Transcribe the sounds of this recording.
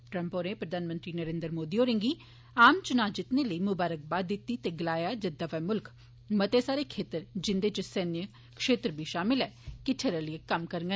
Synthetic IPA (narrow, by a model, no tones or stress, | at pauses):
ʈɾəmpoːɾẽːpɾəd̪aːnmə̃nt̪ɾiːnəɾeːnd̪əɾmoːd̪iːɦoːɾẽːŋɡiː | aːmt͡ʃʊnaːd͡ʒɪt̪neːləiːmʊbaːɾək̚baːd̪ɪt̪ːiːt̪eːɡəlaːjaːd͡ʒəd̪aːʋɛːmʊlk | mət̪eːsaːɾeːkʰeːt̪əɾd͡ʒɪnd̪eːt͡ʃəsɛnjə | kʃeːt̪ɾbʱiːʃaːmɪlɛːkɪʈʰeɾəliəkəmkəɾŋɡə